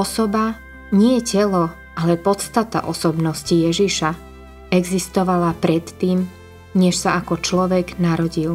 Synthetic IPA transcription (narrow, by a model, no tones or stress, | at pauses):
ɔsɔba | ɲɪɛcɛlɔ | alɛpɔt̪st̪at̪a̰ʔɔsɔbnɔscijɛʒiʃa | ɛɡzist̪ɔʋalapɾɛt̪ːiːm | ɲɛʃsaakɔt͡ʃlɔʋɛɡnaɾɔɟil